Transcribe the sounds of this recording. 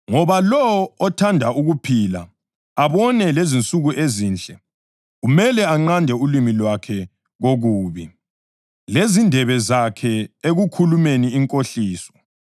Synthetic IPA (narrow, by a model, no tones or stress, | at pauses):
ŋɔβalɔːtʰandʱauɣupʰila̰ | aβɔnɛlezint͡sʼuɣuʔeziːnt͡ɬʼɛ | ɣumɛlɛaŋ͡ǀandʱɛulimilwakʰɛ | ɣoɣuːβi | lezindʱɛβɛzakʰɛeɣukʰulumeniːŋkʼoɬiːsɔ̥